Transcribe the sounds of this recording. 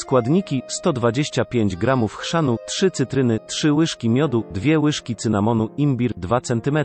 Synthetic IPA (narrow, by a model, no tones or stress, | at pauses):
skwad̪ɲikʲist̪ɔd̪vad͡ʑeɕt͡ɕapʲjeɲd͡ʑɡɾamufxʂanutʂɘt̪sɘt̪ɾɘnɘtʂɘwɘʂkʲimʲjɔd̪ud̪vʲjɛwɘʂkʲit̪sɘnamɔnuimbʲiɾd̪vat̪sɛnt̪ɘmɛt̪ɾ